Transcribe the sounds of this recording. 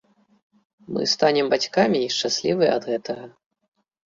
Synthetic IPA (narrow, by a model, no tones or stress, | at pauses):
mɨ̰st̪anʲɛmbat͡sʲkamʲiːʂt͡ʂasʲlʲivɨjɐ̰d̪ɣɛt̪ɐɣɐ